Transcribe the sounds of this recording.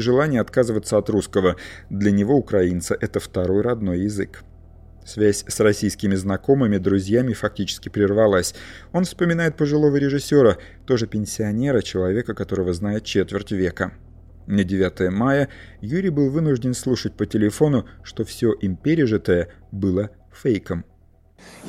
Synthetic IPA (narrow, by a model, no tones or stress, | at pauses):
ɪʐɨlˠanʲɪjəɐt̪kazɨvət̪səɐt̪ɾuskəvəd̪lʲənʲɪvo̞ʊkɾɐint̪səʔɛt̪əft̪ɐɾo̞jɾɐd̪no̞jːɪzɨk | svʲæsʲsrɐsʲijskʲɪmʲɪznɐko̞mɨmʲɪd̪ɾʊzʲjamʲɪfɐk̚tʲit͡ɕɪ̥skʲɪpɾʲɪrvɐlˠasʲ | o̞nfspəmʲɪnajɪt̪̚pəʐɨlˠo̞vəɾʲɪʐɨsʲːo̞ɾə | t̪o̞ʐɨpʲɪnʲsʲɪɐnʲe̞ɾət͡ɕɪlˠɐvʲe̞kəkɐt̪o̞ɾəvəznajɪt̪̚t͡ɕet̪vʲɪrtʲvʲe̞kə | nədʲɪvʲat̪əjəmajəjuɾʲɪjbɨlˠvɨnʊʐdʲɪnslˠuʂət̚ʲpətʲɪlʲɪfo̞nʊʂt̪o̞fsʲo̞ʔɪmpʲeɾʲɪʐɨt̪əjəbɨlˠə | fejkəm